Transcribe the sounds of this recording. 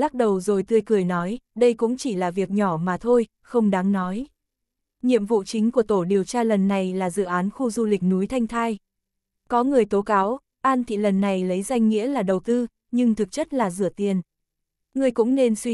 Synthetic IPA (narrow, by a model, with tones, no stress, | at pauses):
laː˦˥k̚ɗə˨˩wzo˨˩jt̪ɨ˧əjkɨ˨˩əjnɔ˨˦jɗə˧jkʊ̰˧˥ŋ͡mt͡ɕi˧˩laː˨˩vi˨˩ək̚ɲɔ˧˩maː˨˩t̪ʰo˧j | xə˧wŋ͡mɗaː˨˦ŋnɔ˨˦j | ɲḭ˧˨əmvṵ˧˨t͡ɕï˨˦ŋ̟ku˧˩ət̪o˧˩ɗi˨˩əwt͡ɕaː˧lə˨˩nːa˨˩jlaː˨˩zɨ̰˧˨ʔaː˨˦nxu˧zu˧lï˨˩k̟̚nu˨˦jt̪ʰa˧jŋ̟t̪ʰaː˧j | kɔ˨˦ŋɨ˨˩əjt̪o˨˦kaː˨˦w | ʔaː˧nt̪ʰḭ˧˨lə˨˩nːa˨˩jlə˨˦jza˧jŋ̟ŋḭ˧˥əlaː˨˩ɗə˨˩wt̪ɨ˧ | ɲɨ˧ŋt̪ʰɨ˨˩k̚t͡ɕə˦˥t̚laː˨˩zɨ̰˧˩ət̪i˨˩ən | ŋɨ˨˩əjkʊ̰˧˥ŋ͡mne˧nswi˧